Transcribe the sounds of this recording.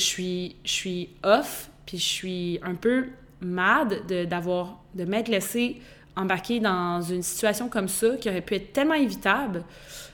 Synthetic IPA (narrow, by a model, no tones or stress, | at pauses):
əsɥiʃsɥiɔfpʰiəsɥiɛ̃pø | mad̪ːəd̪avwaːʁ | d̪əmɛt̪lɛse | ɑ̃baʁkʲed̪ɑ̃zynsi̥t̪yasjɔ̃kɔmsʌkʲiɔʁɛpyɛt̪χt̪ɛlmɑ̃evit̪abl